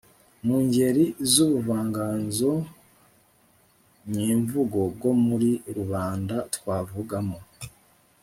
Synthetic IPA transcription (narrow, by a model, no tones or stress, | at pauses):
muːɲɟe̞ɾizuβuvaːŋɡaːnzo | ɲiːɱvuɡo̞b̚ɡwo̞muɾiɾuβaːndatwaːvuɡamo